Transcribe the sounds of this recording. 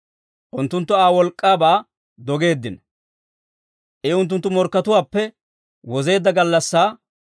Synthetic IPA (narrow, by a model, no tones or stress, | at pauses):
ʔʊnt̪ːʊnt̪ːɔaːwɔlkʼːaːbaː | d̪ɔɡe̞ːd̪ːɪn | ʔɛʊnt̪̬ːʊnt̪ːʊmɔɾkːɐt̪ʊwaːpːɛ | wɔze̞ːd̪ːɐɡɐlːɐsːaː